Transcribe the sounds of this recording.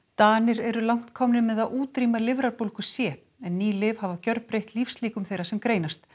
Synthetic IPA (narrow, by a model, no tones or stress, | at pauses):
t̪aːnɪɾɛɾʏlawŋ̥t̪kʰɔmnɪmɛðaðʔuːt̪ɾiːmalɪvɾaɾpowlkʏsjɛː | ɛnːiːlɪv̥havacœɾpɾejht̪lifsliːkʏmθejɾasɛmkɾeːjnast̪